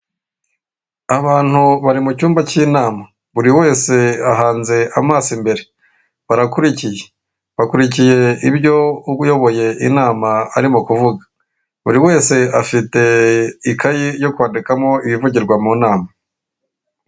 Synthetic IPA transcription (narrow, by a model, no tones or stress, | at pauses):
aβaːn̥huβaɾimucuːmbaciːnaːma | βuɾiwe̞ːse̞aɦaːnze̞ʔamaːsimbe̞ɾe̞ | βaɾakuɾicije̞̥ | βakuɾicije̞iβjo̞jo̞βo̞je̞ʔinaːmaːɾimokuvuɡḁ | βuɾiwe̞ːse̞afite̞ikajijo̞kwaːndikamŋo̞iβivuɟiɾɡwamuːnaːma